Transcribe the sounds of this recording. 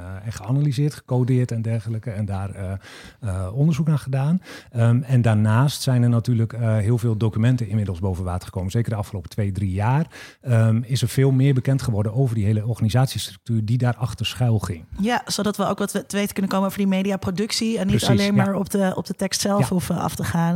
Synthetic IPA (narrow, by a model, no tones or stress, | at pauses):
ɛnχəanalizɪːtχə̥koːdɪːrtɛndɛrxələkəɛndaːrə | əɔndərzuknaːχədaːnəɛndaːɹnaːstsɛjnərnatyːrləkɦɪːlˠveːlˠdokymɛntənɪmɪdlˠsboːvənʋaːtə̥χə̥koːmənz̥eːkərdəɑfχəlowpətʰʋeːdrijaːr | əɪsəɹfɪːlˠmɪːɹbəkɛntχəʋɔɹdənowvərdiɦejləɔɹχaːnizaːtsistrɵk̚tyːɹdidaːrʔɑχtəɹsχɛlˠχɪŋjasodɑtʋəo̰wkʋɛttəʋejtə̥kɵnənkowməowvədimejdiaprodɵksiɛnːitalejnmaːɹɔpdəɔ̰p̚dətɛkstsɛlˠfɔfɑ̰ftəχaːn